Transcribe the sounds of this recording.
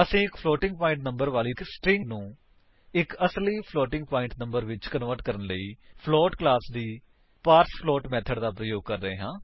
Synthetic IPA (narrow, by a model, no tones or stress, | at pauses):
əsĩːɪkpʰlɔːʈɪ̃ŋɡ̚paːɪ̃ɳʈnə̃mbəɾʋaːliːsʈɾɪ̃ŋɡnũː | ɪkəsliːpʰlɔːʈɪ̃ŋɡpaːɪ̃ɳʈnə̃mbəɾʋɪt͡ʃkənʋəɾʈkəɾənləiːpʰlɔːʈklaːsd̪iː | paːɾspʰlɔːʈmɛːt̪ʰəɖd̪aːpɾəjoːɡ̚kəɾːəeːɦãː